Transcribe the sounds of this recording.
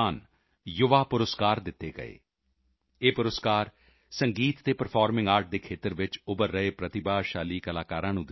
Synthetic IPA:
aːn | jʊʋaːpʊɾəskaːɾd̪ɪt̪ːeːɡə̰ḛː | eːpʊɾəskaːɾ | səŋɡiːt̪t̪eːpəɾpʰaːɾmɪ̃ŋɡaːɾʈ̚d̪eːkʰeːt̪əɾʋɪt͡ʃʊbəɾːəeːpɾət̪ɪbaːʃaːliːkəlaːkaːɾãːnũːd̪

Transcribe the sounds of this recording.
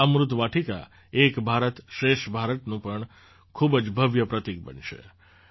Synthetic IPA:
əmɾʊt̪ʋaʈʰika̰ | ekbʱaɾət̪ʃɾeʃbʱaɾət̪nũpəɳ | kʰubd͡ʒbʱəʋjəpɾət̪ik̚bə̰nʃḛ

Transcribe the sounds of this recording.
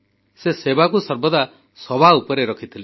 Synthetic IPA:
sesebakusɔɾbɔd̪a | sɔbʱaupɔɾeɾɔkʰit̪ʰile

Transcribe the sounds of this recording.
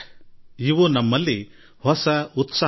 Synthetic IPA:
iʋunɐmːɐlːi | hɔsɐut̪sa

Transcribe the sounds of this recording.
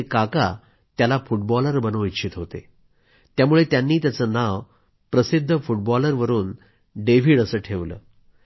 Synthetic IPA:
ekaka̰ | t̪jalafuʈ̚bɔləɾbənoʋitɕʰit̪ɦot̪ḛ | t̪jamuɭet̪janːiːt̪jat͡sənaʋ | pɾəsid̪ʱːəfuʈ̚bɔləɾʋəɾuːn | ɖeʋ̤iːɽəsəːʈʰeʋlə̰ː

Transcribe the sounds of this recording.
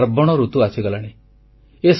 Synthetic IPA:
ɾbɔɽ̃ɔɾut̪uasiɡɔlaɽ̃i | es

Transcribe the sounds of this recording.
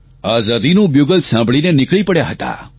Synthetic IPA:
aːzad̪inũbjuɡəlsãːmbʱɭinenɪkɭipəɽjaɦət̪a̰

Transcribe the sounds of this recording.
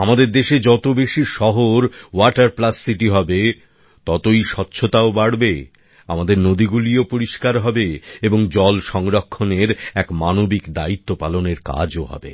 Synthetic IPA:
amad̪eɾd̪eʃed͡ʑɔt̪obeʃiʃɔɦoɾwaʈaɾplasːiʈiɦɔbe | t̪ɔt̪ojʃɔtːɕʰot̪aobaɽbe | a̰mad̪eɾnod̪iɡuliopoɾiʃkaɾɦɔbeeboŋd͡ʑɔlʃɔŋɾokʰːoneɾɛkmanobikd̪ait̪ːopaloneɾka̰d͡ʑoɦɔ̰bḛ

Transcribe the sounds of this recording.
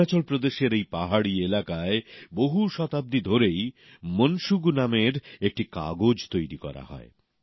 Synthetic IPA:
at͡ɕolpɾod̪eʃeɾejpaɦaɽielakaeboɦuʃɔt̪ab̚d̪id̪ʱoɾej | monʃuɡnameɾek̚ʈika̰ɡod͡ʑt̪ojɾikɔ̰ɾa̰ɦɔ̰e

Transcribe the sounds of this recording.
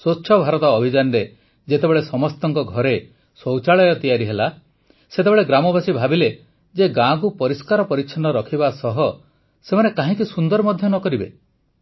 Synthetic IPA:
soːʃʰɔbʱaɾɔt̪ɔːbʱid͡ʒanɔɾe | d͡ʒet̪ebeɭesɔmɔst̪ɔŋkɔɡʱɔɾe | sɔwt͡ʃaɭɔjɔt̪ijaɾiɦela | set̪ebeɭeɡɾamɔbʱasibʱabile | d͡ʒeɡãɡupɔɾiskaɾɔpɔɾit͡ʃʰɔnɔɾɔkʰibasɔɦɔ | semanekaɦĩkisund̪ɔɾmɔd̪ʱjɔnɔkɔɾibḛ

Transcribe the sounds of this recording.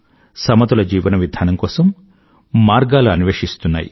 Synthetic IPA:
sɐmɐt̪ulɐd͡ʒiːʋɐnɐʋid̪ʱaːnɐmkɔːsɐmː | aːɾɡaːluɐniʋeːʂist̪unːa̰ːjḭ

